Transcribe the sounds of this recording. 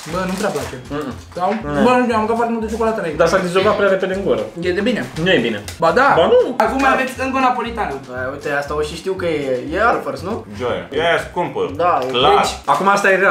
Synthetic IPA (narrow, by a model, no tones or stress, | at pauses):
bənupɾeaplat͡ʃe | d̪abauuamɡkatfart̪emult̪ːt͡ʃokolat̪əɾaid̪asad̪izokat̪pɾʲaɾeped̪d̪eɨŋɡoɾəjed̪ebinenujebinebad̪abanuakumavesʲɨŋɡonapolit̪anɐbəujt̪east̪aoʃiʃt̪iwkəjejealfəɾsnud͡ʒo̰ja̰jaskumpə̰d̪aldaet͡ʃʲakumaast̪ajeɡa